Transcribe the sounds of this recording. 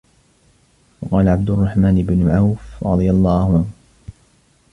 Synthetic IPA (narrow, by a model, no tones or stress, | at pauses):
wɑqɑːlaʕab̚d̪ʊrˤːɑħmaːnɪbnʊʕawfɾˤɑ̰d̪ˤɨjalˤːɑːhʊʕanh